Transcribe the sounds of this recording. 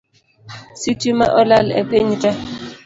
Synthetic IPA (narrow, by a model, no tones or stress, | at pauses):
sitima̰ʔɔlalɛ̰peɲita